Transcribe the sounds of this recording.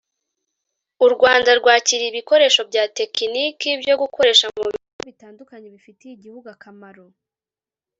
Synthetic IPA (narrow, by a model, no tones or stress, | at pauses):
uɾɡwaːndaɾɡwaːciɾiːβiko̞ɾe̞ːʃo̞bɟaːte̞kinikibjo̞ɡuko̞ɾe̞ːʃamuβiuɡoβitaːndukaɲe̞βifitejiɟihuɡuakamaɾo̞